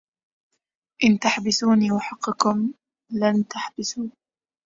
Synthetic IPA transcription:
ʔɪnt̪aħbɪθuːniːwaħɑqːɪkʊm | lant̪aħbɪθuː

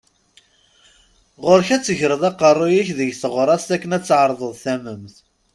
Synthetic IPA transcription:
ʁʊɾçæt͡sːəʝəɾəðˤɑqərˤːojiçðəʝθəʁɾˤɑst̪ækːənæt͡sːʕəɾˤðˤəðˤθæməmθ

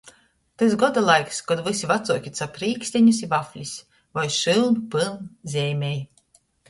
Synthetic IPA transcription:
t̪ɨsɡɔd̪alˠajkskɔd̪vɨsʲivat̪suɔkʲit̪sapɾiːkst̪ʲɛɲus̬ʲivafʲlʲisʲ | vajʃɨlˠmpɨlˠnzʲɛjmʲɛj

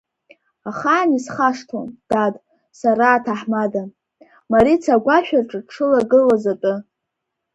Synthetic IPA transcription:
aχaːnisχaʂtʰo̰nd̥ad | saɾaːtʰaħmada | maɾit͡sʰaɡʷaʃᶣarʈ͡ʂʼɨʈ͡ʂʰɨlaɡɨlazatʼɨ

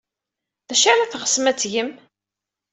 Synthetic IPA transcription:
ðæʃaɾæθʁə̥smæt͡sːʝəm

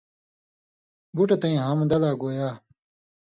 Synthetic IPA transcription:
buʈɐt̪ɐĩɦɐmd̪ɐlaːɡoːjaː

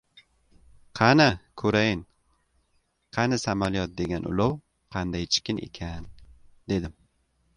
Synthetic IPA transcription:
qʰɑnɪkʰɵɾajɪn | qʰɑnɪsamalijɒt̪̚d̪e̞ɡʲanʔʊ̰lɒw | qʰɑnd̪ajt͡ʃʰɪ̥kʲɪnḛkʲʰand̪e̞d̪ɪm

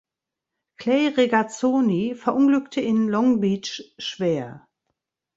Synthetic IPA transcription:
kʰl̥ɛɪʁeɡat͡soːnifɛɐʔʊnɡlʏktʰəɪnlɔŋbit͡ʃʃv̥eːɐ

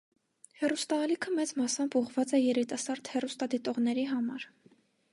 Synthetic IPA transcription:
hɛrust̪ɑːlikʰəmɛt͡smɑsɑmbuʁvɑt͡sɛjɛɾit̪ɑsɑɾd̪̥hɛrust̪ɑd̪it̪ɔʁnɛɾiɦɑmɑɾ

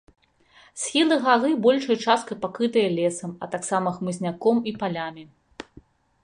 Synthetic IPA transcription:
sʲxʲilˠɨɣalɨbɔlʲʂɐjt͡ʂast̪̚kɐpakɾɨt̪ɨjɐlʲɛsɐmɐt̪aksamɐxmɨzʲnʲakɔmipalʲamʲi

